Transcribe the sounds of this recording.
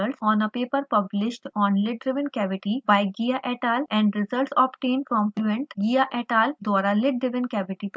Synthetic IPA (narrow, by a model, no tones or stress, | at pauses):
əlʈsɔːnəpeːpəɾpɐblɪʃʈɔ̃ːnlɪʈ̚ɖɾɪʋənkɛʋɪʈibajɡijaʔɛʈaːlɛ̃ɳɖɾɪzəlʈsɔːpʈẽːnpɾɔ̃mpuẽɳʈɡijaʔɛʈaːld̪ɔɾalɪʈ̚ɖɾɪʋə̃nkɛʋɪʈip